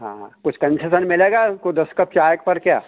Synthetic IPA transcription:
ɦã̰ːkʊt͡ʃʰkɐ̃nsesənmɪleːɡakod̪ɐskɐp̚t͡ʃaːjəkpɐɾkjaː

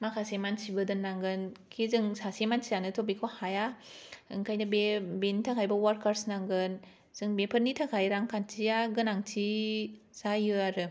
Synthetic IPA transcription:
makʰasemansibɯdɯnːaŋɡɯnkʰizɯŋsasemansijanɯtʰobikʰohajaɯŋkʰajnɯbebenitʰakʰajbɐwaɾkʰaɾsnaŋɡɯn | z̥ɯŋbepʰɯɾnitʰakʰajɾaŋkʰantʰijaɡɯnaŋtʰi | sajɯaɾɯ

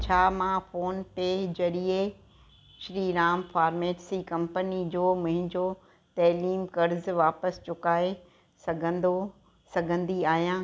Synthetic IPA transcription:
t͡ɕʰaːmãfoːnped͡ʑɐɾie | ʃɾiːɾaːmfaːɾmeːʈsikɐ̃mpənid͡ʑoːmʊ̃ɦɪ̃ɲd͡ʑo | t̪ɐːliːmkɐɾzʋaːpəst͡ɕʊkaːe | sɐɡʱə̃nd̪o | sɐɡʱə̃nd̪iaːɦijãː

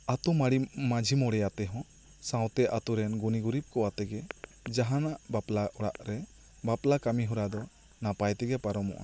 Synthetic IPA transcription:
at̪umaɽimad͡ʒʱimɔɽɛjat̪ɛɦɔ̃ | sãw̃t̪ɛʔat̪uɾɛnɡuniɡuɾib̚kɔwat̪ɛɡɛ | d͡ʒaɦanaʔbaplaʔɔɽaʔɾɛ | baplakamiɦuɾad̪ɔ | napajt̪ɛɡɛpaɾɔmɔ̰ʔa̰

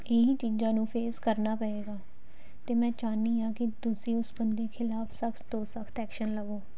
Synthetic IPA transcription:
ɪɦĩːt͡ʃiːd͡ʒãːnũːpʰeːzkəɾnaːpəeːɡaː | t̪eːmɛ̃ːt͡ʃaːnːiːaːkɪt̪ʊsĩːʊsbənd̪eːkʰɪlaːpʰsəkʰt̪t̪oːsəkʰt̪ɛːkʃənləɡoː

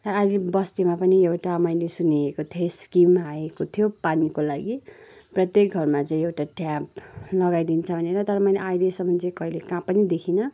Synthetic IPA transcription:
rʌajlebʌst̪emapʌniewʈamʌjlesuniekot̪ʰoskimɦaekot̪ʰijopanikolaɡiprʌt̪jek̚ɡʱʌrmat͡sʌĩewʈaʈjãplʌɡajd̪int͡sʰʌbʱʌneɾʌt̪ʌɾʌmʌjneajlesʌmʌnt͡sikʌɦilekãpʌnid̪ekʰinʌ

